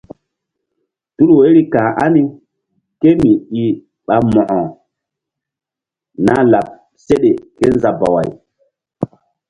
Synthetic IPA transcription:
tu˦lu˨we˦ɾi˦kãː˨ʔa˦ni˦ | ke˦mi˨i˨ | ɓa˨mɔ˨ʔɔ˨ | na˦la˨p̚ | se˦ɗe˨ke˦nza˨ba̰˨wa̰˨j

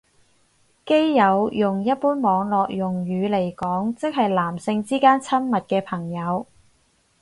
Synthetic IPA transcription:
ke˥jːɐ˨˧wjʊ˨ŋjɐ˥t̚puː˥nmɔː˨˧ŋlɔː˨k̚jʊ˨˩ŋɥyː˨˧le˨˩jkɔː˨˥ŋt͡sɪ˥k̚hɐ˨jlaː˨˩msɪ˧ŋt͡siː˥kaː˥nt͡sʰɐ˥mmɐ˨t̚kɛː˧pʰɐ˨˩ŋjɐ˨˧w

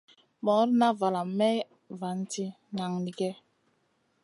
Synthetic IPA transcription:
mɔ˨˦ɾna˦va˨la˨mɛ˦j | va˨n˦ti˦ | na˨ŋni˨ɡɛ˦

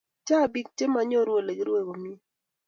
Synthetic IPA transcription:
t͡ʃa˦˨bi˦k̚te˦ma˨˦ɲo˦ɾwo˨le˨ɡɪ˦ɾwe˦˨ko˨mi˦

